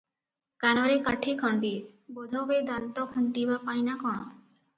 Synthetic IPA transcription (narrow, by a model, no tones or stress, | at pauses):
kanɔɾekaʈʰikʰɔɳɖibɔd̪ʱɔbed̪ant̪ɔkʰuɳʈibapajnakɔɽ̃ɔ